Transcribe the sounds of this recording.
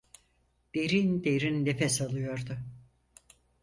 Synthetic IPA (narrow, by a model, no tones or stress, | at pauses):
d̪̥e̞ɾind̪eɾinːefɛsalˠɯjo̞ɾd̪ʊ